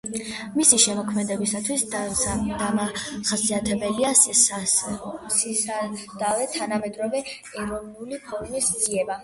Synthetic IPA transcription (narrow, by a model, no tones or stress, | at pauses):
misiʃɛmɔkʰmɛd̪ɛbisat̪ʰwis | d̪amaχasiat̪ʰɛbɛliasass | d̪̥avɛt̪ʰanamɛd̪ɾɔvɛ | ɛɾɔvnulipʰɔɾmisd̪z̥iɛba